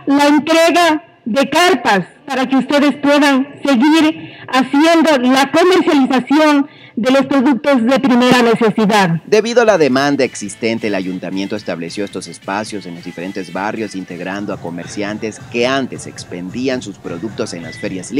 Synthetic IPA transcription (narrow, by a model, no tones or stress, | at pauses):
laent̪ɾeɣa | ðekaɾpaspaɾakeust̪e̞ðe̞spwe̞ðanse̞ɣiɾasje̞nd̪o̞lako̞meɾsjalisasjo̞n | d̪elo̞spɾo̞ðuk̚t̪o̞zðe̞pɾime̞ɾane̞se̞siðaðd̪e̞βiðoalaðe̞mãnd̪aeksist̪ent̪eːlaʝunt̪amje̞nt̪oest̪aβlesjo̞est̪o̞se̞spasjo̞se̞nlo̞zd̪ife̞ɾe̞nt̪e̞zβarjo̞sint̪e̞ɣɾand̪oako̞meɾsjant̪e̞ske̞ant̪e̞se̞kspend̪iansuspɾo̞ðuk̚t̪o̞se̞̰nla̰sfeɾjazl